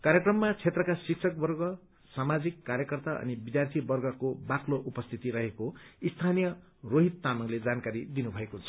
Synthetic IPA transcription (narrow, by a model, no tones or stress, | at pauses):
kaɾjekrʌmːat͡sʰet̪rʌkasiksʰʌk̚bʌrɡʌ | samad͡zikːaɾjʌkʌrt̪aʔʌ̰nibid̪jart̪ʰibʌrɡʌkobakloʔupʌst̪ʰit̪iɾʌɦekoist̪ʰanijʌ | roɦit̪ːanʌŋled͡zankaɾid̪inubʱʌekoɦunt͡sʰʌ̥